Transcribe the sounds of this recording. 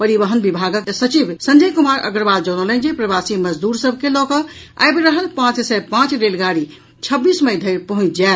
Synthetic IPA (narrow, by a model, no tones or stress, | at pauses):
pəɾibəɦənbibʱaɡəksət͡ʃibsənd͡ʒəjkumaɾə̰ɡɾbald͡ʒɔnələnd͡ʒepɾəbasiməd͡ʒd̪uɾsəbʱkelɔkə | a̰jbeɾəɦəlpãt͡ʃsɛpãt͡ʃɾelɡaɽi | t͡ʃʰəbːisməjd̪ʱəɪɾpəɦũt͡ʃd͡ʒael